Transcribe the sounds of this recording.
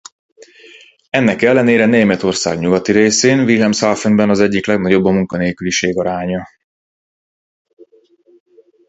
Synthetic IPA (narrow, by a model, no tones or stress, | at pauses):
ɛnːɛkɛlːɛneːɾɛneːmɛt̪o̞rsa̰ːɡɲuɡɒt̪iɾeːseːnvilɦɛmsalfenbɛnɒzɛɟːiklɛɡnɒɟo̞bːɒmuŋkɒneːlkyliʃeːɡɒɾaːɲɒ